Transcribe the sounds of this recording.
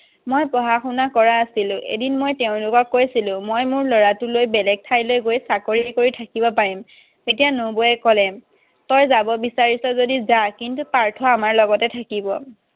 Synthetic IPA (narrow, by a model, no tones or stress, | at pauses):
mojpɔɦaxunakɔɹaːsilʊ̃ʔḛdinmojteʊ̃lʊkɔkːojsilʊ̃mojmʊɹlɔɹatʊlojbɛlɛɡ̚tʰajlojɡojsakoɹikoɹitʰakibɔpaɹim | tetijanobɔɛkɔlɛ | tɔjzabɔbisaɹisɔzodizakintupaɹtʰɔamaɹlɔɡɔtɛtʰakibɔ